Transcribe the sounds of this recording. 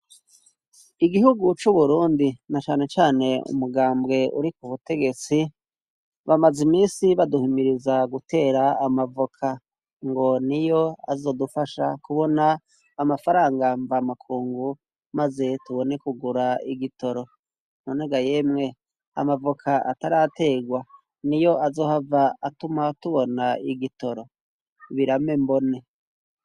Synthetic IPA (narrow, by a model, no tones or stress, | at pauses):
iɡihuɡut͡ʃuβuɾuːndinat͡ʃaːne̞t͡ʃaːne̞ṵmuɡaːmbɡe̞ṵɾikuβute̞ɡe̞t͡si | βamazimiːnsiβaduhimiɾizaɡute̞ːɾaːmavokʰa | ŋɡo̞nijo̞a̰zo̞ːdufaʃakuβo̞naː | mafaɾaːŋɡaɱvamakʰuːŋɡu | maze̞tuβo̞ne̞kuɡuɾaiɡito̞ɾo̞ | noneɡajemŋe̞ | a̰mavokʰaʔa̰taɾate̞ːɡwa | nijo̞ʔazo̞ːhavaːtumatuβo̞naiɡito̞ɾo̞ | βiɾame̞mbo̞ne̞